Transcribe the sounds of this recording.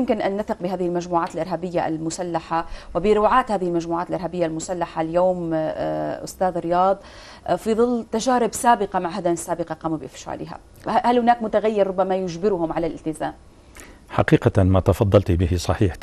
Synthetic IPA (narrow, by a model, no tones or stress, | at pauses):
jʊmkɪnʔanːaθɪqbɪɦaːðɪhɪlmaʒmuːʕaːt̪ɪlʔɪɾˤɦabɪjːaʔa̰lmʊsalːaħawɪbɪɾʊːʕaːt̪haːðɪhɪlmaʒmuːʕaːt̪ɪlʔɪɾˤhaːbɪjːalmʊsalːaħaljoːm | ʔʊ̰st̪aːðɾɪjɑːðˤ | fiðˤɨlːt̪aʒaːɾɪbsaːbɪqamaʕɦad̪anɪsːaːbɪqɑqɑːmubɪʔɪfʃa̰ːlɪɦa̰ | halhʊnaːkmʊt̪aɣajːɪɾˤɾʊbːamajʊd͡ʒbɪɾʊhʊmʕalalʔɪlt̪ɪzaːm | ħa̰qiːqamat̪ɑfɑd̪ˤːɑlt̪ibɪhɪsˤɑħiːħ